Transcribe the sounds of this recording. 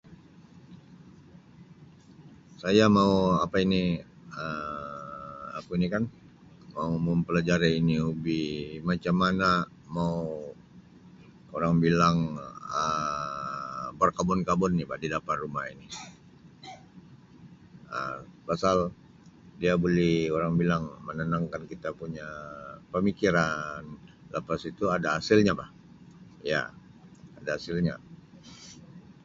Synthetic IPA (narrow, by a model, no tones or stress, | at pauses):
sajamauapaini | ə | a̰kuinikan | mauməmpəlad͡ʒaɾainiubimat͡ʃamːana | mau | oɾaŋbilaŋə | bərkabɔnkabɔnːibadidapat̪rumahini | ə̰pasal | diabolɛhoɾaŋbilaŋmənənaŋkankit̪apuɲapəmikiɾan | ləpasit̪uadaasɪlɲabah | ja̰ | adaasɪlɲa̰